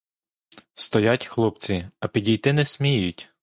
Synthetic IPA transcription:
st̪ɔjatʲxlˠɔp̚t͡sʲiɐpʲidʲijt̪ɪnɛsʲmʲijʊtʲ

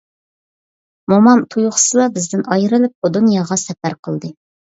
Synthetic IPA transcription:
momɑmt̪ʰujʊχsɨlˠɑbɪzd̪ɪnɑjɾɨlɪp̚ud̪unjɑʁɑsɛpæɾqʰəlˠd̪ɨ

